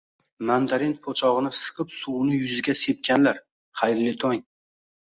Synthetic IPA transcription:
mand̪aɾenpʰot͡ʃʰɒʁɨnɪsɨ̥qʰɨpsuwnɪjʊzɪɡʲase̞p̚kʲʰanlaɾ | χajɾlɪt̪ʰɒŋ

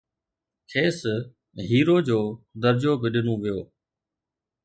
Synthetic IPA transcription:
kʰeːs | ɦiːɾoːd͡ʑoːd̪əɾd͡ʑoːbɪɗɪnũʋijoː

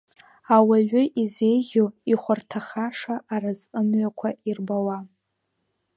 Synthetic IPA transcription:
awaɥʷʊʔize̞jʒʲoiχʷartʰaχaʂaʔːɾazəmɥakʷʰairbawa

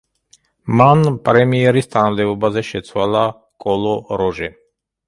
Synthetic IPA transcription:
manpʼɾɛmiɛɾist̪ʰanamd̪ɛbɔbazɛʃɛt̪sʰwala | kʼɔlˠɔɾɔʒɛ

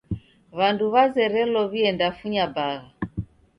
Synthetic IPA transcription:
βanduβazɛɾɛlɔβiɛndafuɲabaɣa

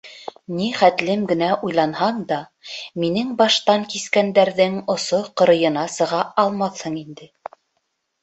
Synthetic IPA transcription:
niχæt̪lɘmɡɘ̆næʔujlˠɑnhɑɴd̪ɑ | minɘŋbɑʃt̪ɑŋkiskænd̪æɾðɘŋŏsoqɤ̆ɾɤ̆jɤ̆nɑsɤ̆ʁɑɑlˠmɑθhɤɴind̪ɘ

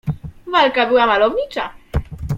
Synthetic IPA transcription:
valkabɘwamalɔvɲit͡ʂa

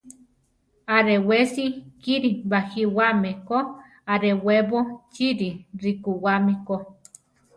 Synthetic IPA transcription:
aɾewesikiɾibahiwameko | aɾeweβot͡ʃiɾiɾikuwamiko

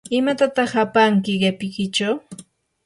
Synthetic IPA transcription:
ɪmat̪at̪ɑχapaŋkɪɢepɪkɪt͡ʃaw

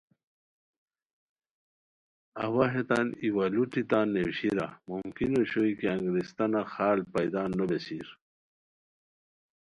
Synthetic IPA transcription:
awaɦet̪aniwaluʈit̪aːnːewɕiɾamumkinoɕoikeaŋɡɾist̪anaxaːlpajd̪aːnːobesiːɾ

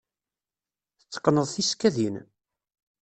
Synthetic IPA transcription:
θət͡sːə̥qːnəðˤθiskæðin

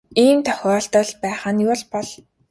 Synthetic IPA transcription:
iːnt̪ʰœ̥xʲɔːɬt̪ə̆ɮpæːχə̆njʊɮpɔɮ

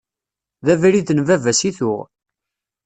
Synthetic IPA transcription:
ðævɾiθnvævæsiθʊʁ

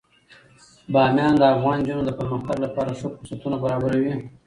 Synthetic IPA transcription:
bɑːmjɑːnd̪əafɣɑːnd͡ʒunod̪əpəɾməxt̪aɡlapɑːɾasəqʊsat̪unabaɾɑbaɾawi

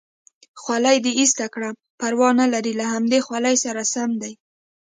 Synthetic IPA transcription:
xwalajd̪eist̪akɽa | paɾwɑnalaɾilaɦamd̪exwalajsaɾasamd̪aj

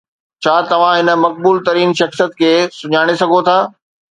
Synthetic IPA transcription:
t͡ɕʰaːt̪ɐʋ̤ãɦɪnə̆mɐk̚buːlt̪ɐɾiːnʃɐxsijət̪̚kʰeːsʊɲaːɽ̃esɐɡʱot̪ʰaː

